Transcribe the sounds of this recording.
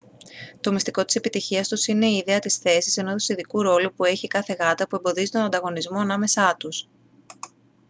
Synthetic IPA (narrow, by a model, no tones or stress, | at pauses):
t̪o̞mist̪iko̞t̪i̥se̞pit̪içiɐst̪usine̞iːðe̞ɐt̪isθe̞sise̞noðosiðikuɾo̞lupue̞çikɐθe̞ɣɐt̪ɐpue̞mbo̞ðizit̪onɐnd̪ɐɣo̞nizmo̞ɐnɐme̞sɐt̪us